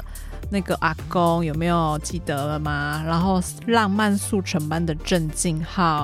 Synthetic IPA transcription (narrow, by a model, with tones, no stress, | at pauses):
na˥˩ɪɡə˩ʔa˨˥˩ko˦˥ŋjo˨˩ʊme˧˥ɪjo˨˩ʊt͡ɕi˥˩t̪ə˨˩˦ə˦ma˨˩ɻa˧˥nxo˥˧ʊ | lɑ˥˧ŋma˥˧nsu˥˨˩ʈ͡ʂʰə˧˥ŋpa˦nd̪ə˨ʈ͡ʂə˥˧nt͡ɕi˥˧ŋxɑ˥˩